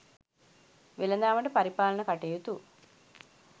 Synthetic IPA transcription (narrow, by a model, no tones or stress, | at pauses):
ʋelɐnd̪aːmɐʈəpɐɾipaːlɐnəkɐʈejut̪u